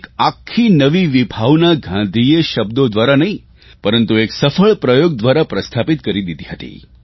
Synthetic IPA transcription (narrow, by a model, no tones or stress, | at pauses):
ekakʰːinəʋiʋibʱaʋnaɡʱãd̪ʱijeʃəbd̪od̪ʋaɾanəɦĩ | pəɾənt̪ueksəfəɭpɾəjoɡ̚d̪ʋaɾapɾəst̪ʰapit̪kəɾid̪id̪ʱiɦət̪ḭ